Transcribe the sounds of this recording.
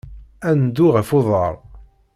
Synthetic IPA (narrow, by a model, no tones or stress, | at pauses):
ænd̪uʁəfʊðˤɑɾˤ